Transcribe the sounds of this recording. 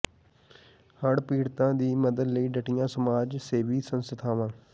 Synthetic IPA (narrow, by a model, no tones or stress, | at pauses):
həɽpiːɽt̪ãːd̪iːməd̪əd̪ləiːɖəʈijãːsəmaːd͡ʒseːʋiːsənsət̪ʰaːʋãː